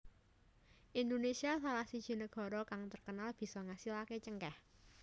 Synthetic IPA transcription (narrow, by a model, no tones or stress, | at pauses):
ʔind̪onesiasalahsid̥ʒ̥i̤nəɡ̥ɔ̤ɾɔkaŋt̪ərkənalb̥i̤sɔŋasilaket͡ʃəŋkah